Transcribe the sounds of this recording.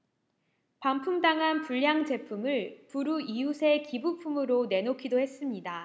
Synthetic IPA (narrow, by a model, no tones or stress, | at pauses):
pampʰumdaŋɦanpuʎjaŋd͡ʑe̞pʰumɯɭpuɾuijusʰe̞kibupʰumɯɾone̞nokʰidohe̞s͈ɯmɲida